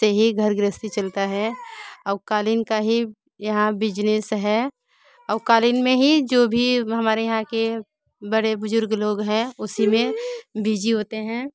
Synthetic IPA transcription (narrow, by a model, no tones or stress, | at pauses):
eɦiɡʱəɾɡɾɪst̪it͡ʃɐlt̪aɦɛɔːɾkaːlɪnkaɦi | jɐɦãbɪd͡ʒnesɦɛ | ɔːɾkaːlɪnmẽɦid͡ʒoːbʱiɦɐmaːɾejɐɦãke | bəɽebʊzʊɾɡloːɡɦɛ̃ʊsimẽbiːd͡ʒiɦoːt̪eɦɛ̃ː